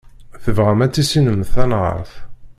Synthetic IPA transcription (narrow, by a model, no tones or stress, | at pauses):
θəvʁæmæt͡sːisinəmθænʁə̰ɾˤθ